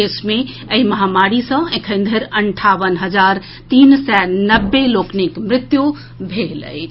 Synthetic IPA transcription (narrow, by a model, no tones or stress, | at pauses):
esmẽ | əiməɦamaɾisə̃ẽkʰə̃ɪ̃nd̪ʱəɾəɳʈʰaʋənɦəd͡ʒaɾ | t̪insɛnəbːeloknikmɾɪt̪ju | bʱelə̰jt͡ʃʰ